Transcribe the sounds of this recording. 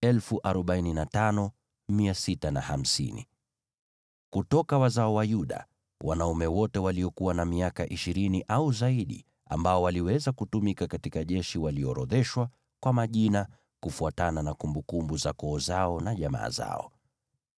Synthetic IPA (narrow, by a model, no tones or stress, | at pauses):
ɛlfuʔaɾɔɓaininatanɔ | miasitana̰ham̩sḭnḭ | kutɔkawazaɔwajuɗa̰ | wʔa̰naumɛwɔtɛwaliɔkuwanamiakaʔiʃiɾiniʔauzaiɗḭ | a̰mbaɔwaliwɛzakutumikakatikaʄɛʃiwaliɔɾɔðɛʃwa | kwamaʄina | kufuatananakumbukumbuzakɔːzaɔnaʄama̰ːza̰ɔ̰